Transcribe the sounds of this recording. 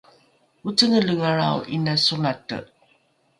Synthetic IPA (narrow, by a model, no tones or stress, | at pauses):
ut͡səŋələŋaɾa̰wʔinasunatə̰